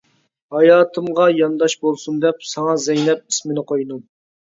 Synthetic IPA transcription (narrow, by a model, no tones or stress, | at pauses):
hɑjɑːt̪ʰɨmʁɑjɑnd̪ɑʃbolˠsund̪ɛp̚sɑŋɑzɛjnɛp̚i̥smɪnɨqʰojnu